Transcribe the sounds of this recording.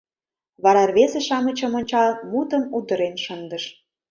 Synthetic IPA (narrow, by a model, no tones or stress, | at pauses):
βɑɾɑrβezeʃɑmə̆t͡ɕə̆mə̆nʲt͡ɕɑlmut̪əmud̪əɾenʃənd̪əʃ